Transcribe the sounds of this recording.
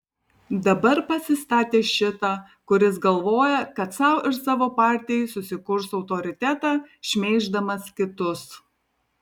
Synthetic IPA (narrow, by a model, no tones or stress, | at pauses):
d̪ɐbɐɾpɐsʲɪst̪ɑːt̪ʲeːʃʲɪt̪ɑː | kʊɾʲɪs̬ɡɐlˠʋoːjɛkɐt̪sɑˑʊɪɾsɑːʋoːpɑːɾʲt̪ʲɪjɛsʊsʲɪkʊɾsɒʊt̪ɔːɾʲɪt̪ʲæt̪ɑːʃʲmʲeːʒd̪ɐmɐskʲɪt̪ʊs